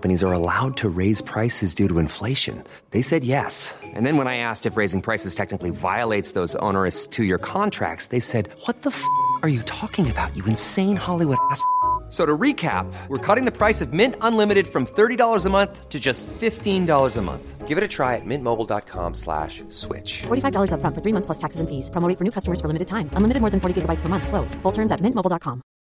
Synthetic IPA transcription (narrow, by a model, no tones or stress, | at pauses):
mpɨñizə˞əla̰ʊd̚tʰɨɹeɪz̥pʰɹ̥aɪsɨzdʉɾəɨ̃ɱfleɪʃɨ̰̃n | ðeɪsɛd̚jɛsʔɨ̰̃nðɨ̃nwə̃ñaɪæstɨfɹeɪzɪ̃ŋpʰɹ̥aɪsɨz̥tʰɛk̚nɨkliva̰ɪəleɪtsðoʊzõ̰ʊ̃nə˞ɨstʰɨjə˞kʰɑ̃ntʰɹ̥æ̰k̚tsðeɪsɛd̚wʌt̪̚ðəfʌə˞jɨtʰɔkɪ̃ŋɨbaʊt͡ʃɨɨ̃nsẽɪ̃nhɑlˠiwʊɾæssoʊɾəɹikʰæ̰p̚wəɹkʰɔɾɪ̃ŋðɨpʰɹ̥aɪsʌvmɪ̃ntə̃nlɪ̃mɨɾɨd̥fɹʌ̃mθɜ˞ɾidɔlˠə˞zəmʌ̃nθtʰɨd͡ʒʌstfɪftĩndɔlˠə˞zəmʌ̰̃nθɡ̥ɪvɨɾɨtʰɹ̥aɪɨt̚mɪ̃nmoʊbl̩ˠdɑ̰t̚kʰɑ̰̃mslæ̰ʃ | swɪ̰t͡ʃfɔɹɾifaɪvdɔlˠə˞zʌ̥fɹʌ̃nfə˞θɹimʌ̃θpʰlʌstʰæksɨzɨ̃nfiz̥pʰɹ̥omoʊɾɪ̃fə˞nʉkʰʌstəmə˞z̥fə˞lɪ̃mɨɾɨd̚tʰãɪ̃mʔə̃nlɪmɨɾɨd̚ɔɹðɨ̃nfɔɹɾiɡɪɡəbaɪtspʰə˞mʌ̃nθsloʊz̥fʊlˠtʰɜ̃˞mzɨt̚mɪ̃nmoʊl̩ˠdɑt̚kʰɑ̃m